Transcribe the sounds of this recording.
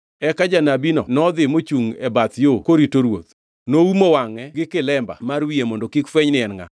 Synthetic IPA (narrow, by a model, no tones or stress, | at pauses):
ɛkad͡ʒanabinɔ̰nɔd̪ɪmot͡ʃuŋɛbat̪jokoɾitoɾwo̰t̪ | noumowaŋɛɡɪkɪlɛmba̰maɾwiemɔndokikfwɛɲnɪɛnŋa̰